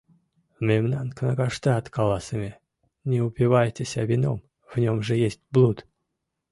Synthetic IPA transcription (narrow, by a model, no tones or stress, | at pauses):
mʲemnanknəkaʂt̪aɑt̪kɑlˠɑsəmʲe | nʲeupʲɪvajtʲesʲavʲino̰m | vnʲomʐɨjesʲtʲblˠut̪